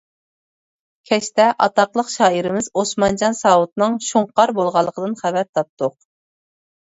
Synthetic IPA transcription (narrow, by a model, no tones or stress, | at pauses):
kʲʰɛʃt̪ɛʔɑt̪ɑqlˠəqʃɑːiɾɪmɪzosmɑnd͡ʒɑnsɑwut̪nɨŋʃuŋqɑɾbolˠʁɑlˠːəqʰəd̪ɨnχævɛɾt̪ʰɑp̚t̪ʰʊq̚